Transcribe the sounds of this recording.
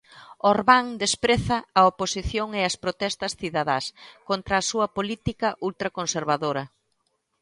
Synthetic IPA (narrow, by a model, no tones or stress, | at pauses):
oɾβaŋd̪espɾeθɐːoposiθjoŋeɐspɾot̪ɛst̪ɐsθiðaðaskont̪ɾɐːsuɐpolit̪ikɐʔult̪ɾɐkonseɾβaðoɾɐ